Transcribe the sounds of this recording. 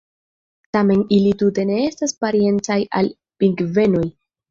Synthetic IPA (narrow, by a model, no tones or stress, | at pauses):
tame̞nilitute̞ne̞e̞staspaɾie̞nt͡saja̰l | piŋɡve̞no̞j